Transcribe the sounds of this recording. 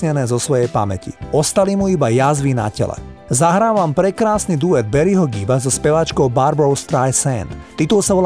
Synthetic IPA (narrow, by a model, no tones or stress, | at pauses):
ɲɛnɛːzɔsʋɔjɛjpa̰mɛcḭɔst̪alimuibajazʋina̰cɛ̰lɛ̰zaɦɾaːʋampɾɛkɾaːsnid̪uɛd̪̚bɛɾiɦɔɡibazɔspɛʋat͡ʃkɔʊbaɾbɔʊst̪ɾajsɛnt̪t̪ːit̪ulsaʋɔl